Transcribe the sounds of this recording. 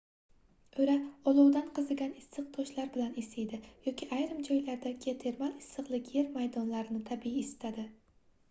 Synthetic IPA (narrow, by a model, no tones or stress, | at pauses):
ɵɾaɒlˠʊwd̪anqʰɨzɪɡʲanɪsːɨq̚t̪ʰɒʃlaɾbɪlanɪsɪjd̪ɪjɒkʲʰiʔajɾɪmd͡ʒɒjlaɾd̪akʲʰet̪ʰeɾmalɪsːɨqlˠɪkʲjeɾmajd̪ɒnlaɾɪnɪt̪ʰabiːst̪ʰad̪ɪ